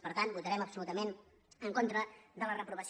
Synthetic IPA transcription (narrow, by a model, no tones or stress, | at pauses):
pəɾt̪anbut̪əɾɛməpsulut̪əmen | əŋkont̪ɾəðələrəpɾuβəs